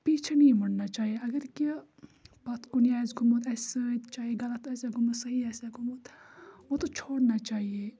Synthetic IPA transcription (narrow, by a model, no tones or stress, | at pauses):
piːt͡ʃʰenɐĩmɐɽnat͡ʃaːɦieɐɡəɾki | bɐt̪kʊnijaːzɡʊmoːt̪ɛːt͡ʃaːɦieɡɐlət̪ɛːseɡʊməsɐɦiɛːseɡʊmoːt̪ʋot̪ot͡ʃʰoːɽnat͡ʃaːɦie